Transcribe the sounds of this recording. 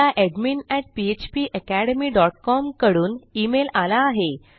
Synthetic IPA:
aʔeɖmiːnɛʈ̚piet͡ɕpiːʔəkæɽəmiːɖɔʈ̚kɔmkəɽuːnimelalaːɦe

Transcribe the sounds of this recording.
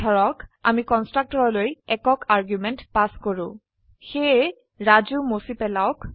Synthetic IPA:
dʰʱɔɹɔka̰mikɔnstɹak̚tɔɹɔlojɛkɔkʰaɹɡjumɛntpaskɔɹʊ̃ | xe | ɹazumosipɛlaʊk

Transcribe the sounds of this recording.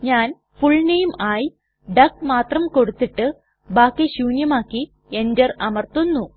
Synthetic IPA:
ɲaːn | fuɭnejmaːji | ɖɐk̚maːt̪rɐmko̞ɽut̪ːiʈːɨ | baːkːeɕuːnjɐmaːkːi | e̞nd͡ʑɐrɐmɐrt̪ːunːu

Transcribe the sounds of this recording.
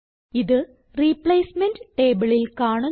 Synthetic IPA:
iðɨ | riːpɭeːsmenɖʈeːbɨɭilkaːɳu

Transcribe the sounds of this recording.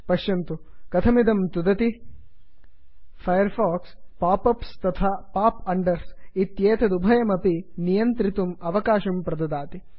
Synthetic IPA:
pɐʃjɐnt̪u | kɐt̪ʰɐmid̪ɐmt̪ud̪ɐt̪i | fʰɐjɐɾfaːkspaːpɐpst̪ɐt̪ʰaːpaːpɐɳɖɐɾsit̪jeːt̪ʰɐd̪ubʱɐjɐmɐpinijɐnt̪ɾit̪umɐʋɐkaːʃɐmpɾɐd̪ɐd̪aːt̪i

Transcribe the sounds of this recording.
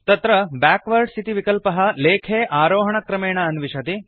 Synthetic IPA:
t̪ɐt̪ɾɐbaːkʋɐɾɖst̪ʰit̪iʋikɐlpɐɦɐ̆leːkʰeːʔaːɾoːɦɐɳɐkɾɐmeːɳɐɐnʋiʃɐt̪i

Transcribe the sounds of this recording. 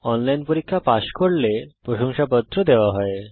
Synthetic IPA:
ɔnlajnpoɾikʰːapaʃkoɽlepɾoʃoŋʃabɔd̪ʱɾod̪ewaɦɔe

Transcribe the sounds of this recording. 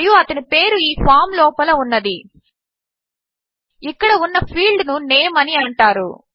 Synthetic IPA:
juɐt̪ɐnipe̞ːɾuiːpʰaːɾmlɔːpɐlɐunːɐd̪i | ikːɐɽɐunːɐpʰiːlɖnuneːmɐniɐɳʈaːɾṵ

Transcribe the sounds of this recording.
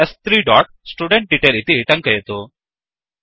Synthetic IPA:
est̪ʰɾiːɖɔʈ̚sʈuɖeɳʈ̚ɖiʈelit̪iʈɐ̃ŋkəjet̪o

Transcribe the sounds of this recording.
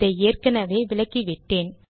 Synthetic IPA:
ɐeːrkɐnɐʋeːʋɪɭɐkːiʋɪʈːeːn

